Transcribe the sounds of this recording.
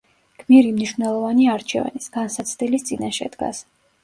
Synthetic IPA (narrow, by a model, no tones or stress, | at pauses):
ɡ̥ʰmiɾimniʃvnɛlˠɔvaniaɾt͡ʃʰɛ̰va̰nisɡ̥ansat̪sʰd̪ilist̪sʼinaʃɛ̰d̪ɡa̰s